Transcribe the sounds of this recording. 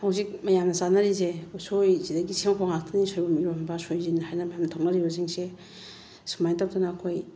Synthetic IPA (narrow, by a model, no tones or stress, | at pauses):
hawzik̚majamnɐsanɐɾis̬eusojzidaɡisemkʰoŋak̚tʰɐnisojbɐmiɾombɐsojzinhajnɐbamntʰaw̚nɐɾibɐsiŋse | si̥majntaw̚dɐnɐːkʰoj